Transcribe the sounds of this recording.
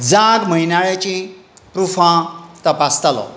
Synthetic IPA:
d͡zaɡməinaɭjat͡ɕĩpɾufãt̪əpast̪alɔ̰

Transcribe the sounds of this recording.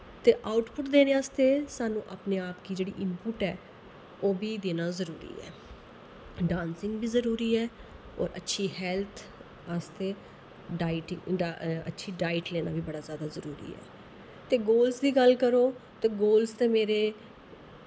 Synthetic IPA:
t̪eːʔaːʊʈpʊʈd̪eːneːaːst̪eːsaːnũːʔaːpneːaːpkiːd͡ʒeːɽḭːʔɪmpʊʈɛ̰ː | oːbiːd̪eːnaːzəɾuːɾḭːɛ̰ː | ɖãːnsɪŋɡbiːzəɾuːɾiːɛː | ɔ̰ːɾʔətːʃʰiːɦɛːlt̪ʰ | aːst̪eː | ɖaːɪʈɪŋɖə̰tːʃʰiːɖaːɪʈleːna̰ːbiːbəɽaːzjaːd̪aːzəɾṵːɾḭːɛ̰ː | t̪eːɡoːlsd̪iːɡəlkəɾoːt̪eːɡoːlst̪eːmeːɾeː

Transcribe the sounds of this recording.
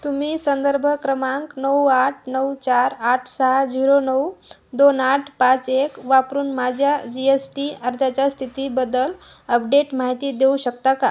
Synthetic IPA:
t̪umiːsənd̪əɾbʱəkɾəmaŋknəwaʈʰnəwt͡ɕaɾaʈʰsad͡ziɾonəw | d̪onaʈʰpãt͡sekʋapɾuːnmad͡ʑʱjad͡ʑiesʈiəɾd͡zat͡ɕast̪ʰit̪iːbəd̪əl | əpɖeʈmaɦit̪iːd̪euɕək̚t̪aka

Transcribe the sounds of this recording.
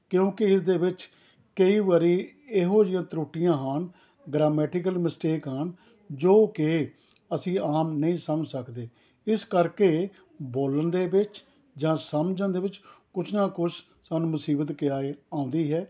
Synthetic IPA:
kjõːkɪɪsd̪eːʋɪt͡ʃ | kəiːʋaːɾiː | eɦoːd͡ʒɪjãːt̪əɾoːʈːɪjãːɦən | ɡɾaːmɛːʈɪk̬əlmɪsʈeːkɦən | d͡ʒoːke | əsĩːaːmnəĩːsəmd͡ʒsəkd̪eː | ɪskəɾkeː | boːlənd̪eːbɪt͡ʃ | d͡ʒãːsəmd͡ʒənd̪eːbɪt͡ʃkʊt͡ʃʰnãːkʊt͡ʃʰ | saːnũːmʊsiːbət̪kɪaːeãːʊ̃nd̪iːɦɛː

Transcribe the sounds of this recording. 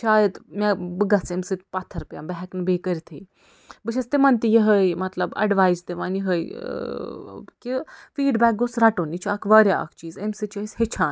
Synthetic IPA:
t͡ʃʰaːjət̪mʲabəɡat͡semsɨt̪̚pat̪ʰːɐɾupja̰mbɛɦɛknbekɐɾit̪ʰḛ | bɨʃʰɐst̪emɐnt̪ijeɦəjmɐt̪lɐbɐ̰ɖʋaːjzd̪eʋanjiɦəj | kifiːɖbɛk̚ɡosɾaʈonit͡ʃʰakʰʋaɾʲaa̰kt͡ʃiːzemsɨt͡ʃɐishet͡ʃʰaːn

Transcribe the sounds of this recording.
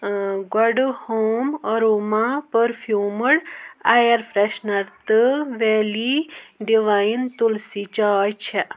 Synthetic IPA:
ɡɐɖhoːməɾumãpəɾfʰjuːməɽajɐɾfɾeʃnɐɾt̪ɨʋeːliɖiʋajint̪ulsit͡ʃaːjt͡ʃʰɛʔ

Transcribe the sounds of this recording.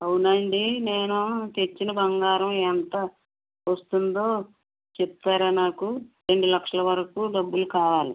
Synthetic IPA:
ɐwunɐɳɖineːnut̪et͡ʃːinɐbɐŋɡaːɾɐmɛnt̪ɐ | ʋɐst̪und̪o̞ː | t͡ʃɛpt̪aːɾaːnaːkuɾe̞ɳɖulɐkʂɐlɐʋɐɾɐkuːɖɐbːulukaːʋaːli

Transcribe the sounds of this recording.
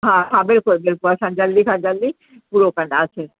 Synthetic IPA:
ɦãkʰãbeɾkoɾbeɾkoaʃãnd͡ʑalːikʰãd͡ʑalːi | puɾokãɳɖaat͡ɕʰe

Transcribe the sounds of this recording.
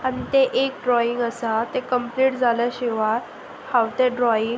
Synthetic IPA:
anit̪eʔekɖɾɔiŋɡəsat̪ekəmpliːʈd͡zʱalaɕeʋaɾ | hawt̪eɖɾɔiŋɡ

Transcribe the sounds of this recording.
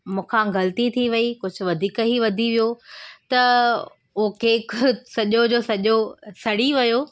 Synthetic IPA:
mũːkʰãɡɐlt̪it̪ʰiʋɐikʊd͡ʑʱʊ̆ʋɐd̪ʱiːkɦiʋɐd̪ʱiʋijot̪ɐ | ʊɦkʰeːsɐʄod͡ʑoːsɐʄosɐɽiʋɐjoː

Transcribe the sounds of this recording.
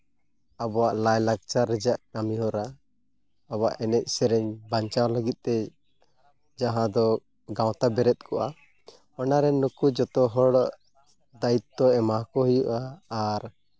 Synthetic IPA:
abɔwaʔlajlaɡ̚t͡ʃaɾɛd͡ʒaʔkamiɦɔɾa | aba̰ʔɛnɛc̪̚ˀsɛɾɛɲbaɲt͡ʃawləɡit̪̚ˀt̪ɛ | d͡ʒaɦãd̪ɔ | ɡaw̃t̪abɛɾɛt̪̚kʰɔʔa | ɔnaɾɛnːukud͡ʒɔt̪ɔɦɔɽʔ | d̪ait̪̚ːɔɛmakɔɦujuʔaːɾ

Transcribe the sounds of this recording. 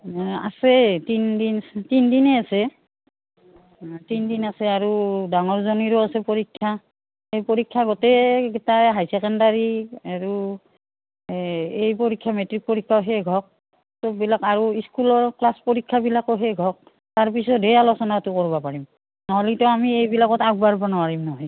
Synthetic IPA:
a̰sɛtindinstindinɛasɛ | tindinasɛaɹudaŋɔɹzɔniɹɔasɛpɔɹikʰːa | ejpɔɹikʰːaɡɔtɛɡɛtaɦajsɛkandaɹiaɹu | ejpoɹikʰːamɛtɹik̚poɹikʰːaoɦɛjɡʱɔk̚ | tɔbilakaɹuiskulɔɹklaspoɹikʰːabilakɔɦɛɡʱɔk̚ | taɹpisɔtejalɔsɔnatʊkoɹbapaɹim | nɔɦɔlikitɔamiejbilakɔtak̚baɹbanɔaɹimnɔɦɔj

